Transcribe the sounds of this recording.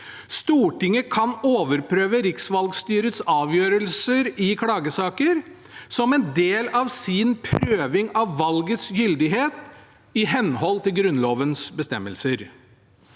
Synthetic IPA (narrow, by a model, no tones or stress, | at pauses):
st̪uːʈɪŋːəkʰɑnoːʋəɾpʰɾøːʋəɾɪksʋɑlɡst̪yːɾəsɑːʋjøːɾəlsəɾɪkʰɽɑːɡəsɑːkəɾ | sɔmɛnd̪eːlɑʋsɪnpʰɾøːʋɪŋɑʋːɑlɡəsjʏld̪ɪɦeːt̪ | ɪɦɛnhɔlt̪ɪlɡɾʉnloːʋənsbəst̪ɛmːəlsəɾ